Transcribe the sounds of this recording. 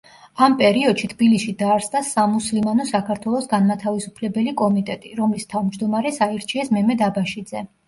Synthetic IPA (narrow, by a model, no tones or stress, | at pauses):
ampʼɛɾiɔd̪̥ʃit̪ʰbilisʃid̪aːɾsd̪asamuslimanɔsakʰaɾt̪ʰwɛlˠɔsɡanmat̪ʰavisupʰlɛbɛlikʼɔmit̪ʼɛt̪ʼiɾɔmlist̪ʰavmd͡ʒd̪ɔmaɾɛsaiɾt͡ʃʰiɛsmɛmɛd̪abaʃid̪zɛ